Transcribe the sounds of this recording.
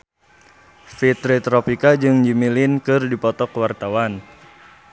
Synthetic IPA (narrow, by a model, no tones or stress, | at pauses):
fit̪ɾit̪ɾɔpikad͡ʒɨŋd͡ʒimilɪnkɨrdipɔt̪ɔkwart̪awan